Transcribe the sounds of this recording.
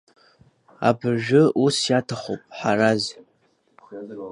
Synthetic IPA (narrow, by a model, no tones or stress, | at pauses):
a̰bɨrʒᶣʊusjatʰaχʷo̰pʼħaɾaz